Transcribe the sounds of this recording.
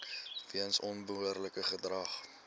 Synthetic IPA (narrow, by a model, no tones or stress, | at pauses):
viənsɔnbəɦuərləkəχədrɐχ